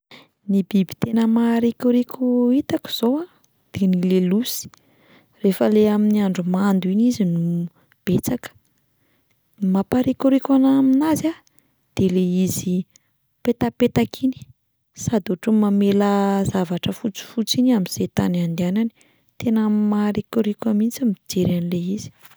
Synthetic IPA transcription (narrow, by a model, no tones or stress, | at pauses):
nibibi̥t̪enəmaɾikʲuɾikʲuit̪aku̥z̥owa | d̪̥enilelusi̥ | refəleaminiaɳɖ͡ʐumand̪uinizinu | b̥et͡sakə̥ | mapaɾikuɾikʲanaminaza | d̪̥eleizi | pet̪apet̪akʰini̥ | sad̪oʈ͡ʂumameləzavaʈ͡ʂəfut͡si̥fut͡sinamiz̥et̪anand̪anani̥ | t̪enəmaɾikuɾikʲamint͡samid͡ʒeɾanileiz̥i̥